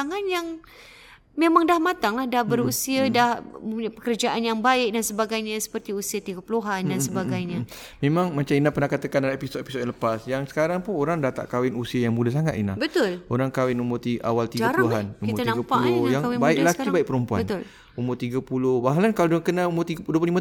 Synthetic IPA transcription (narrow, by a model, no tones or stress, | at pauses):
aŋanjaŋ | memaŋdahmat̪aŋlahdahbəɾusiadahmə̃puɲapəkərd͡ʒaʔanjaŋbaɪk̚dansəbaɡajɲasə̥pərt̪iusiat̪iɡapuluɦandansəbaɡajɲa | memãŋmat͡ʃaminahpənahkat̪akanadaepisot̪episot̪jãləpasjaŋsə̥kaɾaŋpʊnoɾaŋdat̪a̰ʔkawɪnusiajaŋmudas̬aŋat̪ḭna̰bət̪ʊloɾaŋkawɪnumʊt̪ia̰walt̪iapɾəluɦanumiʊanãɡapaulʊjaŋawɪbaɪlakibaik̚pəɾumpua̰bənt̪l | umʊt̪iɡapulʊhbaɦalankaloduakənaumʊt̪idup̬lima